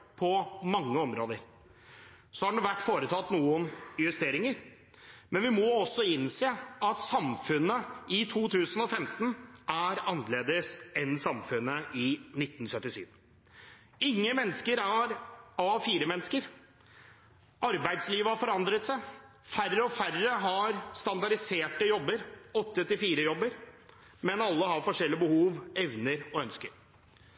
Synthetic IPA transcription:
pʰɔmɑŋːəɔmɾoːd̪əɾ | sɔhɑɖʋæʈːfoːɾət̪ʰɑt̪ːnuːənjʉst̪eːɾɪŋəɾ | mɛnʋɪmɔɔsːɔɪnseːɑt̪sɑmfʉnːəɪt̪ʰuːt̪ʰʉːsənɔfɛmt̪n̩æɾɑnːleːd̪əsɛnsɑmfʉnːəʔɪnɪt̪ːn̩sœt̪ːɪsy̰ːʋ | ɪŋːəmɛnːəskəɾæɾɑʋfiːɾəmɛnːskəɾ | ʔɑɾbæɪd̪sliːʋəhɑɾfɔɾɑnd̪ɾət̪sæɪ | færːəɔfærəɦɑɾst̪ɑnd̪ɑɖɪseːʈəjɔbːəɾɔt̪ːət̪ʰɪlfiːɾəjɔbːəɾ | mɛnɑlːəhɑɾfɔʂɛlːɪəbəhuːʋɛʋnəɾɔœnskəɾ

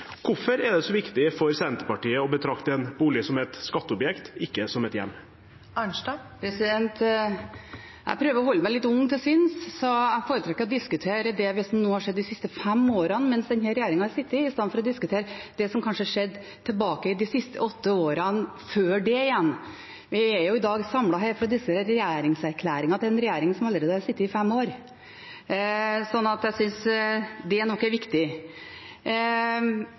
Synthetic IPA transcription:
kʰʊfɔɾɛd̪ɛsɔʋɪkt̪ɪfɔɾsɛnt̪ə̥pɑʈiːəɔbət̪ʰɾɑkt̪əɛnbuːlɪəsɔmɛt̪skɑt̪ːəɔbjɛkt̪ɪkːəsɔmɛt̪jɛ̰mː | ɑɳʂdɑ | pʰɾɛsɪd̪ɛnt̪ | jʔæ̰ɪpʰɾøːʋəɾɔhɔlːəmæɪlɪt̪ːʊŋt̪ɛsɪnssɔæɪfoːɾət̪ʰɾɑkɪkːəɾɔd̪ɪskʉt̪ʰeːɾəd̪ɛʋɪsɔmnoːhɑʂɛd̪ːɪsɪst̪əfɛmːoːɾɑnmɛnsd̪ɛnɦæɾɛjæːɾɪŋɑɑɾsɪt̪ːɪɪst̪ɑnfɔɾɔd̪ɪskʉt̪ʰeːɾəd̪ɛsɔmkʰɑnʂəhɑʂɛd̪ː | t̪ʰɪlbɑːkəɪd̪ɪsɪst̪ʰə̰ɔt̪ːəoːɾɑn | føːɖɛɪjɛnː | ʋɪæjʊɪd̪ɑːɡsɑmlɑɦæːɾfɔɾɑd̪ɪsəɾɛjæːɾɪŋsæɾkʰlæːɾɪŋɑt̪ɪɾɛnɾɛjeːɾɪŋənsɔmɑləɾeːd̪əɑɾsɪt̪ːɪɪfɛmːoːɾ | sɔnːɑt̪jæɪsʏnsd̪ɛæɳɔkːæɾʋɪkt̪ɪ

